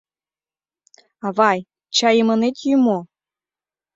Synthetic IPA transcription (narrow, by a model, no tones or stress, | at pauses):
ɑβɑj | t͡ɕɑjəmə̆net̪jymo